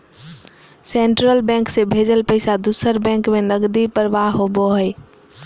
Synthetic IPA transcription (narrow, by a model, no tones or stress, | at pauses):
seɳʈɾəlbɛ̃ŋksẽbʱed͡ʒəlpəɪsad̪usəɾbɛ̃ŋkmenəɡd̪ipəɾʋaɦɦobɔɦəj